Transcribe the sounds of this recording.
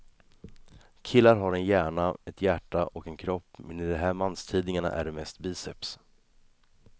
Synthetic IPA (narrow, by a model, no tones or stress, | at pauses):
kʰɪlːaɾɦaɾɛnjæːɳaɛt̪jæʈːaʔɔkɛnkʰɾɔpːmɛnɪd̪ɔɦæːɾmanst̪ʰiːd̪nɪŋaɳa̰ʔæ̰ɖɛmɛst̪biːsɛ̰ps